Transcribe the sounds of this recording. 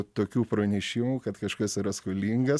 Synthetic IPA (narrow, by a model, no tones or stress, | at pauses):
t̪oːkʲuːpɾɐnʲɛʃʲɪmuːkɐt̪kɐʃkɐsiɾɐskolʲiːŋɡɐ